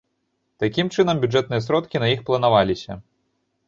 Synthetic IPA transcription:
t̪akʲimt͡ʂɨnɐmbʲud͡ʐɛt̪̚nɨjɐsɾɔt̪kʲinɐjixplˠɐnavalʲisʲɐ̰

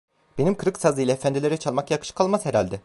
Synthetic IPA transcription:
b̥enimkʰɯɾɯksazɯjlʲɛefænd̪ilʲe̞ɾɛt͡ʃʰalˠmakjakʰɯ̥ʃɯ̥kʰalˠmazheɾalʲd̪ɛ

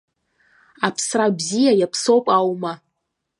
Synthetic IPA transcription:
apʰsrabzijajapʰsowpʼawma

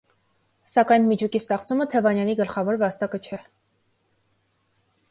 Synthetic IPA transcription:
sɑkɑjnmit͡ʃʰukist̪ɛχt͡sumət̪ʰɛvɑnjɑniɡəlχɑvɔɾvɑst̪ɑkət͡ʃʰɛ

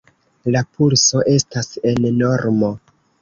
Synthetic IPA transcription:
lapulso̞ʔe̞stase̞nno̞ɾmo̞

